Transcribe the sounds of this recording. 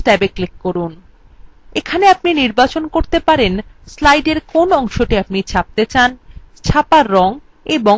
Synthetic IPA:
ʈɛbeklikːoɾun | ekʰaneapniniɾbat͡ɕonkoɾt̪epaɾenslajɖeɾkonɔŋʃoʈiap̚nit͡ɕʰap̚t̪et͡ɕant͡ɕʰapaɾːɔŋ | ebo

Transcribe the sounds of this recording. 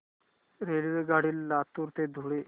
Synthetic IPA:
ɾeliʋeɡaɽiːlːat̪uɾt̪ed̪ʱuɽe

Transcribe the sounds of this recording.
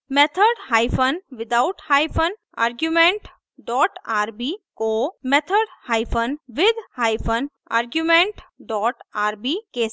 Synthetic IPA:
mɛt̪ʰəɾɖhaːɪpʰənʋɪd̪aʊʈhaːɪpʰən | a̰ːɾɡjumẽɳʈ | ɖɔːʈaːɾbikomet̪ʰəɖhaːɪpʰənʋɪd̪ʱhaːɪpʰən | a̰ːɾɡjumẽɳʈɖɔːʈaːɾbike

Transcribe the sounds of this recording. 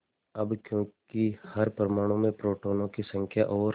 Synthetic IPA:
ɐbkjõːkihɐɾpəɾmaːɽ̃õmẽpɾoːʈoːnõkisə̃ŋkʰjaʔɔːɾ

